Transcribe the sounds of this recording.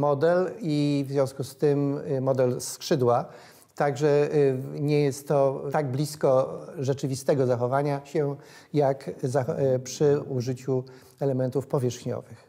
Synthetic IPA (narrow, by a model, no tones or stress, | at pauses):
mɔd̪ɛlivzʲjɔ̃w̃skust̪ɘmmɔd̪ɛlskʂɘd̪wa | t̪aɡʐɛɲɛjɛst̪ːɔt̪aɡ̚blʲiskɔʐɛt͡ʂɘvʲist̪ɛɡɔzaxɔvaɲaɕɛjakzapʂɘuʐɘt͡ɕu | ɛlɛmɛnt̪ufpɔvʲjɛʂxɲɔ̰vɘx